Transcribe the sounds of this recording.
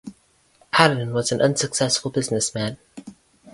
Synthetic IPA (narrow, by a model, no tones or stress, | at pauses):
kʰæɾn̩wʌz̃n̩ʔʌ̃nsɨksɛsfl̩ˠbɪznɨsmæ̃n